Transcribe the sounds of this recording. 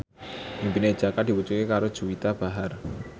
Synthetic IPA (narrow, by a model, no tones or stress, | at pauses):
ʔimpine̥d͡ʒ̥akad̪̥i̤wut͡ʃukekaɾod̥ʒ̥ṳwit̪ab̥a̤ɦar